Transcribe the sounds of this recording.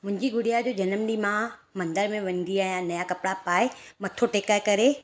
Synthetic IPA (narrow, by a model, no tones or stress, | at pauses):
mʊ̃ɦɪ̃ɲd͡ʑiɡʊɽijad͡ʑoːd͡ʑɐnəmɗimãmɐ̃nd̪əɾmẽʋɐ̃ɲd̪iaːijãnɐjakɐpɽapaːemɐt̪ʰoʈeːkəɾkɐɾe